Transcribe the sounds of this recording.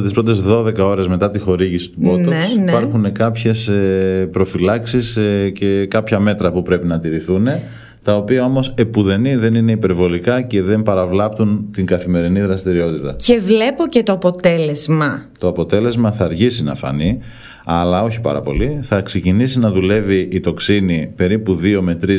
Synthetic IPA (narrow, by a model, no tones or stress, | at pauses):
ɐt̪ispɾo̞t̪̬e̞zðo̞ðe̞kɐo̞ɾe̞zme̞t̪ɐt̪ixo̞ɾiʝisi̥t̪ubo̞t̪oesipɐɾxunekɐpçe̞sepɾo̞filɐksisece̞kɐpçɐme̞t̪ɾɐpupɾe̞pinɐt̪iɾiθune̞ | t̪ɐo̞piɐo̞mo̞se̞puðe̞niðe̞nine̞ipe̞ɾvo̞likɐce̞ðe̞mpɐɾɐvlɐp̚t̪unt̪iŋɡɐθime̞ɾiniðɾɐst̪iɾio̞t̪it̪ɐcevle̞po̞cet̪oɐpo̞t̪e̞le̞zmɐt̪o̞ɐpo̞t̪e̞le̞zmɐθɐːɾçisinɐ̰fɐ̰ni | ɐlɐo̞çi̥pɐ̰ɾɐ̰po̞̰liθɐkse̞cinisinɐðule̞viʔːt̪o̞ksinipe̞ɾipuðio̞me̞t̪ɾi